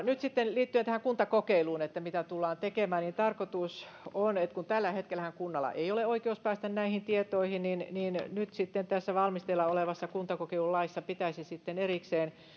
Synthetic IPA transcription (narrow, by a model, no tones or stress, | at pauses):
nyt̪sit̪ːenliːt̪ːyøent̪æhæŋkunt̪ɑkokeiluːnet̪ːæmit̪æt̪ulːɑːnt̪ekemæːnniːnt̪ɑrkot̪us | onet̪kunt̪ælːæhet̪kelæhæŋkunːɑlːɑ̰ʔeioleoikeuspæːst̪ænnæihint̪iet̪oihinninninnyt̪sit̪ːent̪æsːæʋɑlmist̪eilːɑoleʋɑsːɑkunt̪ɑkokeilullɑisːɑpit̪æisisit̪ːenerikseːn